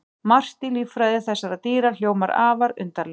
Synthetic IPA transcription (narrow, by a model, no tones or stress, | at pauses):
mar̥t̪ilifɾajðɪθɛsːaɾat̪iːɾal̥joːwmaɾa̰ːvaɾʏ̰nt̪al